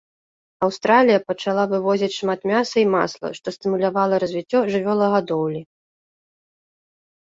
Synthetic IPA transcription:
ɐwst̪ɾalʲijɐpɐt͡ʂalˠavɨvɔzʲit͡sʲʂmat̪mʲasɐima̰slˠɐ̰ʂt̪ɔst̪ɨmulʲavalˠɐɾɐzʲvʲit͡sʲːɔʐɨvʲɔlˠɐɣad̪ɔwlʲi

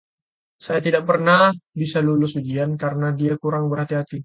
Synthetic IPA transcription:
sajat̪idaʔ̚pərnahbisalulʊsud͡ʒiankaɾənadiakuɾaŋbərɦat̪iɦat̪i

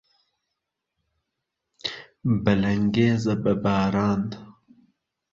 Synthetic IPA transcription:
bɐlɐŋɡeːzɐbɐbaːɾaːnd̪

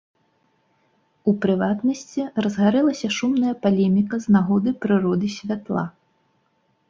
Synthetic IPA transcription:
upɾɨvat̪nɐsʲt͡sʲirɐzɣaɾɛlˠɐsʲɐʂumnɐjɐpalʲɛmʲikɐznaɣɔd̪ɨpɾɨɾɔd̪ɨsʲvʲat̪lˠa̰

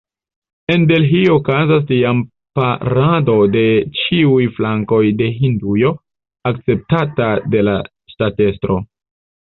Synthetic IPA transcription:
e̞nbe̞lɦiookazas̬tiam | paɾado̞de̞t͡ʃiujflaŋko̞jde̞ɦindujo̞ | ak̚t͡se̞p̚tatade̞la̰ | ʃtate̞stɾo̞

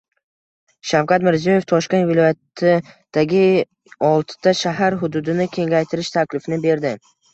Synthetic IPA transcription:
ʃawqat̪mɪɾzijoje̞ft̪ʰɒʃkʲe̞nt̪vɪlˠɒjat̪ʰɪ | d̪̥aɡʲɪ | ɒlˠt̪ʰɪ̥t̪ʰaʃaɦaɾɦʊd̪ʊd̪ɪnɪkʲʰe̞ŋɡʲajt̪ʰɪɾɪʃt̪ʰakʲlɪfɪnɪbe̞ɾd̪ɪ

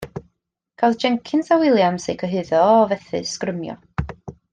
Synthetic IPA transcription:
kʰadd͡ʒɛŋkʰɪnsawɪlˠjamsejkʰəɦɨðɔːvɛθɨ̰skrəmjɔ̰

